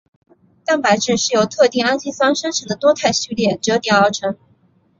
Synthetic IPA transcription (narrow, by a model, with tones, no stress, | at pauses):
t̪a˥˩npa˨˧˥ɪʈ͡ʂɻ̩˥˩ʂɻ̩˥˩jo˧˥ʊt̪ʰɤ˥˧t̪i˥˩ŋa˥nɕi˥sɑ˥ŋʂə˥nʈ͡ʂʰə˨˥ŋd̪ə˧t̪wɔ˥t̪ʰa˥˧ɪɕy˥˧ljɛ˥˩ʈ͡ʂɤ˧˥t̪jɛ˨˩ŋɑ˥˩ʈ͡ʂʰɤ˧˥ŋ